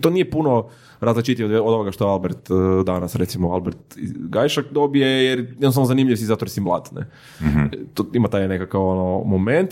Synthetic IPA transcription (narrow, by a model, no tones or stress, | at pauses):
t̪onijepuno | ɾazlˠat͡ʃit̪ɲd̪od̪ooɡaʃt̪oealbeɾt̪d̪anasɾet̪simoalˠbeɾt̪ḭɡajʃakd̪obije̞jeɾjɛd̪nst̪anozanimʎiʋsizat̪oɾisimblˠa̰t̪nḛ | t̪oimat̪aːjnekakaʋonomoment̪